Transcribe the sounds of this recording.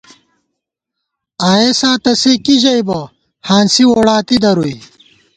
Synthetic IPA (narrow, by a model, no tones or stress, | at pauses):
aːesaːt̪ɐsekiʑɐjbɐ | haːnsiwoːɽaːt̪id̪ɐɾuj